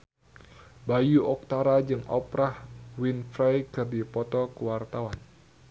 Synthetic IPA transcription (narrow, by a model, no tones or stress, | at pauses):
bajuʔɔk̚t̪aɾad͡ʒɨŋʔɔ̰pɾahwinfɾajkɨrdipɔt̪ɔkəwart̪awan